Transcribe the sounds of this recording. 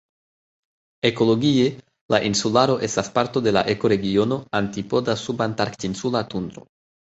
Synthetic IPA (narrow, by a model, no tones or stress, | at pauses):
eko̞lo̞ɡie | laʔinsulaɾo̞ʔe̞st̪aspaɾt̪o̞d̪e̞la̰ʔeko̞ɾe̞ɡio̞no̞ant̪ipo̞d̪asubant̪aɾkt̪insulat̪und̪ɾo̰